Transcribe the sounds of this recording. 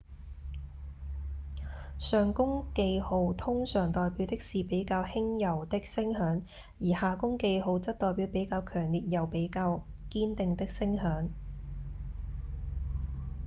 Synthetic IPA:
sœː˨ŋkʊ˥ŋke˧jho˨˧wt̪ʰʊ˥ŋsœː˨˩ŋt̪ɔː˨jpiː˨˥wt̪ɪ˥k̚siː˨˩pe˨˥jkaː˧whɪ˥ŋjɐ˨˩wt̪ɪ˥k̚sɪ˥ŋhœː˨˥ŋ | jiː˨˩haː˨˩kʊ˥ŋke˧jɦo˨˧wt͡sɐ˥t̪ɔː˨jpiː˨˥wpe˨˥jkaː˧wkʰœː˨˩ŋliː˨t̚jɐ˨˩wpe˨˥jkaː˧wkiː˥nt̪ɪ˨˧ŋt̪ɪ˥k̚sɪ˥ŋhœː˨˥ŋ

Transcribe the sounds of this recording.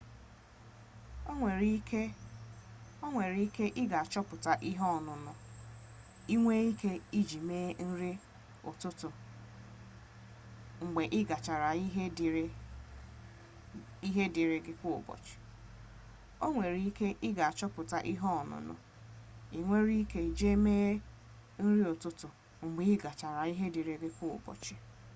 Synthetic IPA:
e˨ɾke˦ | o˦ŋʷe˨ɾi˦i˦ke˦ʔɪ˦ɡa˨a˨t͡ʃɔ˦pʊ˨ta˨ʔi˦ɦɔ˦˨nʊ˨nʊ˨ | i˦ŋʷe˦i˦ke˦i˦d͡ʒi˨meː˦n̩˦ɾɪ˦ | ʊ̰˨tʊ˦tʊ˨ | ŋ͡m̩˨ɡ͡be˨ʔɪ˦ɡa˨t͡ʃa˨ɾa˨i˦ɦ | i˦ɦe˦di˨ɾe˨ɡɪ˦kʊ˦˨bɔ̰˨t͡ʃɪ̥˨ | o˦ŋʷe˨ɾi˦i˦ke˦ʔɪ˦ɡa˨a˨t͡ʃɔ˦pʊ˨ta˨ʔi˦ɦɔ˦ɔ˨nʊ̰˨nʊ̰˨ | i˨ŋʷe˦ɾi˦ke˦i˨d͡ʒe˦meː˦ | n̩˦ɾi˦o˨tʊ˦tʊ˨ | ŋ͡m̩˨ɡ͡be˨˦ɪ˦ɡa˨t͡ʃa˨ɾa˨i˦ɦe˦di˨ɾe˨ɡɪ˦kʷʊ˦˨bɔ̰˨t͡ʃɪ˨

